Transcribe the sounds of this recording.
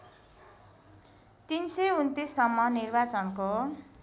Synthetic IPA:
t̪insʌunt̪isːʌmːʌnirbat͡sʌnko

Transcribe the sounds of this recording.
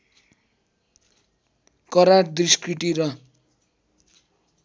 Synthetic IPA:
kʌɾard̪riskriʈiɾʌ

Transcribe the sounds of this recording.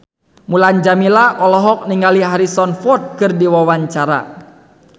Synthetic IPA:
muland͡ʒamilaʔɔlɔɦɔk̚niŋaliɦaɾisɔnfɔt̪̚kɨrdiwawaɲt͡ʃaɾa̰

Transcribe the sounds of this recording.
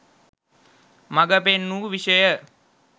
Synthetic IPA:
maɡəpenːuːʋiʃəjə

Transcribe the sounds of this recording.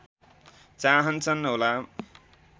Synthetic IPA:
t͡saɦʌnt͡sʰʌnɦola

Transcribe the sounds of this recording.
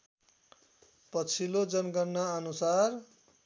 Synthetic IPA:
pʌt͡sʰilod͡zʌnɡʌrnaʌnusar

